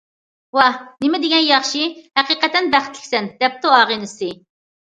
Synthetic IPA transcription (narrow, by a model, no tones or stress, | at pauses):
wɑhnɪmɪd̪ɪɡʲɛnjɑχʃihæqiqɛt̪ɛnbæχɪt̪lɪ̥kʲsɛnd̪̥ɛp̚t̪ʰuɑːʁinɨsɨ